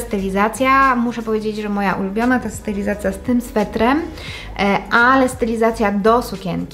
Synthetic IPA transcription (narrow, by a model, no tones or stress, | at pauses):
st̪ɛlʲizat̪sʲjamuʂɛpɔvjed͡ʑed͡ʑʐɛmɔjaʔulubʲjɔnat̪ɔjɛst̪ɛlʲizat̪sʲjast̪ɘmsfɛt̪ɾɛm | ʔalɛst̪ɛlʲizat̪sʲjad̪ɔsukʲɛ̰ŋkʲi